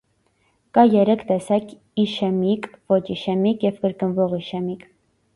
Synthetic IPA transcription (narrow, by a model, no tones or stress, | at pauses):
kɑjɛɾɛkʰt̪ɛsɑkʰ | iʃɛmikʰvɔt͡ʃiʃɛmikjɛvkəɾkənvɔʁiʃɛmikʰ